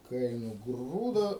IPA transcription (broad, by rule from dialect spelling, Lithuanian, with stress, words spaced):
kɐɪ nʊˈɡruːdoː